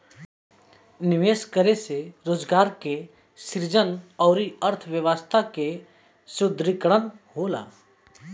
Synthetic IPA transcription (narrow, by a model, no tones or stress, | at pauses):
nɪʋeːskəɾeseɾoːd͡ʒɡaːɾke | sɪɾd͡ʒənɔːɾiəɾt̪ʰʋjəʋaːst̪ʰake | sʊd̪ʱɾɪkɽənɦoːla̰ː